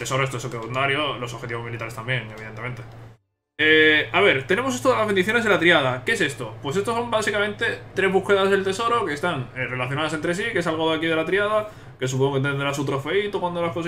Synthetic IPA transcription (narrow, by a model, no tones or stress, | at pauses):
t̪e̞so̞ɾoest̪oesokeðinaɾjolo̞soxe̞t̪iβo̞zmilit̪aɾe̞st̪ambjeŋe̞βiðent̪eme̞nt̪e̞ | eaβe̞ɾt̪e̞ne̞mo̞s̬est̪oðelazβend̪iθjone̞ðelat̪ɾiað̞akees̬e̞st̪opwe̞sest̪oso̞mbasikamẽnt̪e̞t̪ɾe̞zβuxkeðazðelt̪eso̞ɾo̞kest̪aŋere̞laθjonaðase̞nt̪ɾe̞s̬ikes̬alɣoðakiðelat̪ɾiað̞a | ke̞s̬upoŋokent̪end̪eɾasut̪ɾofe̞it̪okwand̪olaskos